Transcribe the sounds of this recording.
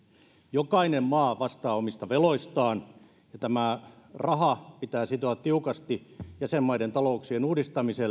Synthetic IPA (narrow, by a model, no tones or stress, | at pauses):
jokɑinemmɑːʋɑst̪ɑːomist̪ɑʋeloist̪ɑːn | jɑt̪æmærɑɦɑpit̪æːsit̪oɑt̪t̪iukɑst̪ijæsemːɑident̪ɑlouksienuːdist̪ɑmisel